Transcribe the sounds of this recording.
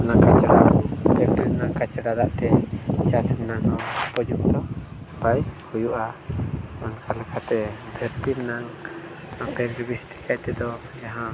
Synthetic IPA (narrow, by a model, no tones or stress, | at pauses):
naŋkat͡ʃəɾmbʱɛɾt̪iɾnaŋkat͡ʃəɾad̪aʔt̪ɛt͡ʃasəŋnaŋɔpɔd͡ʒuk̚d̪ɔ | bajkujuʔa | ɔnkʰalɛkʰat̪ɛbʱɛɾt̪innaŋ | apʰɛɾɾbist̪i̥kajt̪ɛd̪ɔ | jaɦã